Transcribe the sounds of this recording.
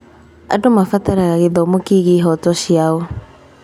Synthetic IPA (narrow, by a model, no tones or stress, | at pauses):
a̰domafataɾaɣaɣeðɔmokiɣiːɦɔtɔʃiaɔ